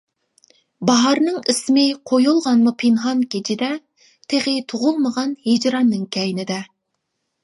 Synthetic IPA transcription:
bɑɦɑɾnɨŋɪsɪmɪqʰojulˠʁɑnmupʰinχɑnkʲʰet͡ʃʰɪd̪ɛ | t̪ʰeʁet̪ʰuʁʊlˠməʁɑnhed͡ʒɾɑnːɨŋkʲʰɛjɪnɪd̪ɛ

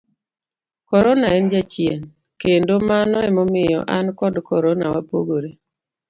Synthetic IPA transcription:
kɔɾɔnaɛnd͡ʒat͡ʃjen | kendomanɔɛmɔmɪjɔ̰ʔankɔdkɔɾɔnawapoɡoɾe

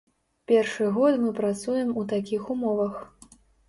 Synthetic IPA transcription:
pʲɛrʂɨɣɔt̪mɨpɾat̪sujɛmut̪akʲixumɔvɐx

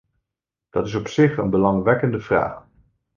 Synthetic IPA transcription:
d̥ɑtɪs̬ɔpsɪχə̰nbəlɑŋʋɛkəndəvra̰ːχ

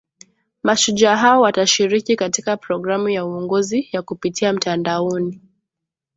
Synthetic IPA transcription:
maʃuʄaɦaɔwataʃiɾikikatikapɾɔɡɾamujauɔŋɡɔzijakupitʰiam̩tandaɔni

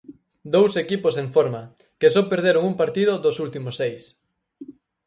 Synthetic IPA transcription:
d̪owsekiposeɱfoɾma | kesɔpeɾðeɾoŋumpaɾt̪iðʊðosult̪imosejs

